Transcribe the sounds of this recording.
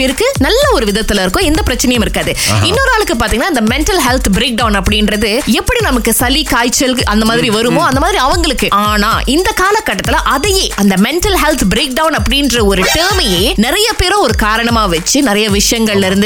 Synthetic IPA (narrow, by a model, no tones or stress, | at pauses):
peːɾɯkːɯnɐlːɐɔɾɯʋɪðɐt̪ːɪlɪɾɯkːõːɛnd̪ɐpɪɾɐt͡ʃːɐnɐjɐmɪɾɯkːaːðɯɪnːoːɾɯaːɭɯkːɯp̬aːɾt̪iŋɡɐnːaːɪnd̪ɐmɛɳʈɐlɦɛlt̪bɾeːk̚ɖɐʊnɐpːɐɽɪnɾɐðɯɛpːɐɽinɐmɐkːɯsɐlikaːjt͡ʃːɐlɐnd̪ɐmaːðɪɾiʋɐɾɯmõːɐnd̪ɐmaːðɪɾiɐʋɐŋɡɐɭɯkːɯʔaːnaːʔɪnd̪ɐkaːlɐkːɐʈːɐt̪ːɪlãʔɐðɐjeːɐnd̪ɐmɛɳʈɐlɦɛlt̪bɾeːk̚ɖɐʊnɐpːɐɽɪndrɐɔɾɯʈeːmɛjeːnɪɾɐjɐpeːɾõːɔɾɯkaːɾɐɳɐmaːʋɛt͡ʃːɯnɪɾɐjɐʋɪʂɐjɐŋɡɐɭlɪɾɯnd̪